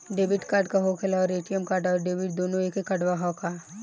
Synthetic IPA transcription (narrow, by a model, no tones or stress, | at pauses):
ɖeːbɪʈkaːɾɖkaɦoːkʰelaɔːɾeːʈijəmkaːɾɖɔːɾɖeːbɪʈd̪oːnõeːkekːɐɖʋaɦɔːka